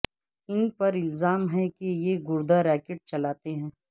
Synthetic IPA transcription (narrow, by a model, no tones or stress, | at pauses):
ɪnpɐɾɪlzaːmɦɛ̃kejeɡʊɾd̪aɾɛːkeʈ̚t͡ʃɐlaːt̪eɦɛ̃ː